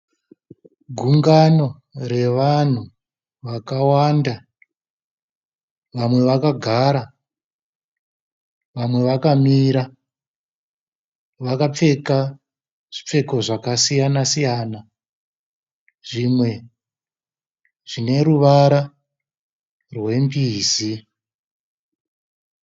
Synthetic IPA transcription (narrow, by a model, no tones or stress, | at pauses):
ɡʱuŋɡano̞ | re̞ʋan̤u | ʋakawanda | ʋamwe̞ʋakaɡʱaɾa | ʋamwe̞ʋakamiɾa | ʋakap͡fe̞ka | ʐ̥ip͡fe̞ko̞ʐakasijanasijaːna | ʐ̥imwe̞ | ʐ̥ine̞ruʋaɾa | rwe̞mbiːzi